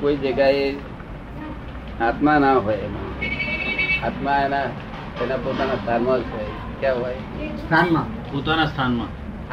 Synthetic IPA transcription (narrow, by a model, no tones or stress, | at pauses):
koid͡ʒəɡae | aːt̪manãɦoːjemã | at̪mãena | enãpot̪anast̪ʰaːnmãoj | kjãːɦoj | st̪ʰaːnmã | poːt̪anast̪ʰaːnmãː